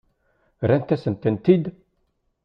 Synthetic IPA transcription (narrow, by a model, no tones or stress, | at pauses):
ɾænt̪ːæsənt̪ənt̪id̪